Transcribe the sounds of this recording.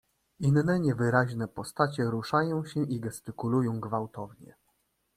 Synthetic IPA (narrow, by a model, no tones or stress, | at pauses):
inːɛɲɛvɘɾaʑnɛpɔst̪at͡ɕɛɾuʂajɔ̃w̃ɕɛʔiɡɛst̪ɘkulujɔ̃w̃ɡvawt̪ɔvɲɛ̰